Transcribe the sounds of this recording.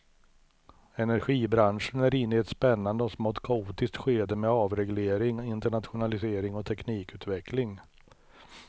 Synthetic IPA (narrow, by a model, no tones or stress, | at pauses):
ɛnæɾɧiːbɾanʂənæɾɪnːɪɛt̪spɛnːand̪əɔsmɔt̪kʰauːt̪ɪst̪ɧeːd̪əmɛɑːvɾɛɡleːɾɪŋɪnt̪əɳat̪ɧʊnalɪseːɾɪŋɔt̪ʰɛkniːkʉ̟ːt̪vɛklɪŋ